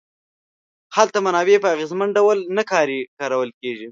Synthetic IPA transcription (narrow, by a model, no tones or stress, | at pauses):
halt̪amanɑbepəaɣezmanɖawəlnakɑɾikɑɾawəlkeʒi